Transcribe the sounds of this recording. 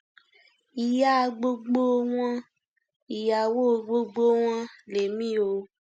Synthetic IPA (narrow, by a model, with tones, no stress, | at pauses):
i˨ja˦˧ɡ͡bo˧ɡ͡bo˦w̃ɔ̃˦ | i˨ja˨wo˦˨˧ɡ͡bo˧ɡ͡bo˦w̃ɔ̃˧le˨mĩ˦o˧